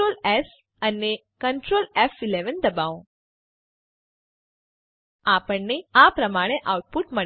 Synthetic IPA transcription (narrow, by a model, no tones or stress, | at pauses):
olɛs | ənːe | kəɳʈɾoːlɛfileʋənd̪əbaũ | apəɳːeapɾəmaɽ̃eʔawʈ̚puʈmə